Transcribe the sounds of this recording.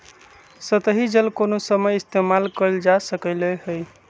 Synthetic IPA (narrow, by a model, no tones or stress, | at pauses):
sət̪əɦid͡ʒəlkonosəməjist̪emalkəɾld͡ʒasəkəleɦəj